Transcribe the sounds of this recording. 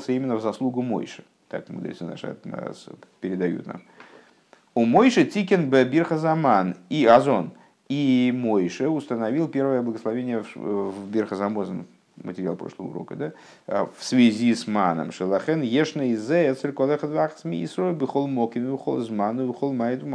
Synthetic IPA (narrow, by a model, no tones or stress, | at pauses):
sʲəimʲɪnːəvzɐslˠuɡʊmo̰jʂɨ̥ | t̪a̰kmʊ̰d̪ɾʲḭt̪səna̰ʂə̰spʲɪɾʲɪd̪ɐjṵt̪na̰m | ʊmojʂɨtʲikʲɪnbɛbʲirxəzɐmaniɐzo̞n | imojʂɨʊst̪ənɐvʲilˠpʲe̞rvəjəblˠəɡəslˠɐvʲenʲɪjəfvbʲɪrxəzɐmozən | mə̰tʲɪɾʲɪalˠpɾoʂlˠəvə̰ṵɾo̞̰kəd̪a | fsvʲɪzʲismanə̰mʂɨlˠɐxɛnjeʂnəizɛɛt̪sɨlʲkolˠɛxəd̪vaχsmʲḭisɾolʲbɨχolˠmokʲɪmʲbɨxolˠzmanɨvɨxolˠmajd̪ʊm